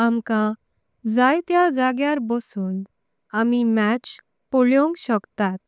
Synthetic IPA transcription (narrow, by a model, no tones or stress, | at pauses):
amkã | d͡zajt̪jad͡zaɡjaɾbəsuːn | amimæt͡ɕ | pɔɭjõŋkɕəkt̪at̪̚